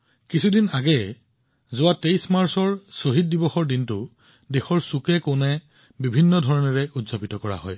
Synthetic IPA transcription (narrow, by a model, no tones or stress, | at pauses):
kisʰudinaɡɛ | zʊwatejsmaɹsɔɹsoɦit̚dibɔxɔɹdintʊ | dexɔɹsukɛkonɛ | bibʱinːɔdʱɔɹɔnɛɹɛutzapitɔkɔɹa̰ɦɔ̰j